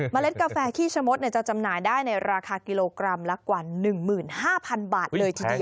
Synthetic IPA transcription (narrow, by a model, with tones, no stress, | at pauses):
ma˧le˦˥t̪̚kaː˧fɛː˧t̪ʰiː˥˩t͡ɕʰa˧mo˦˥t̪̚ni˥˩t͡ɕa˨˩t͡ɕa˧mnaː˨˩jdaː˥˩jna˧jɾaː˧kʰaː˧ki˧loː˧kɾa˧mlɛ˦˥kwaː˨˩nɯ˨˩ŋmɯː˨˩nhaː˥˩pʰa˧nbaː˨˩t̪̚lɤː˧jt̪ʰiː˧i˧ɐ